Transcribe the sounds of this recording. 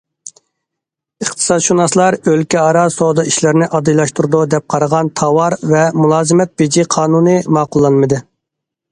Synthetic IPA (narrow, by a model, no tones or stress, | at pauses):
əχt̪ʰɨ̥sɑd̪ʃunɑslˠɑɾølkʲɛɑɾɑsod̪ɑiʃlɪɾnɪʔɑd̪ɨjlˠɑʃt̪uɾud̪ud̪ɛp̚qʰɑɾəʁɑnt̪ʰɑwɑɾvɛmulˠɑːzɨmɛt̪̚b̥ed͡ʒiqʰɑːnunɨmɑːqʊlˠːɑnmɨd̪ɨ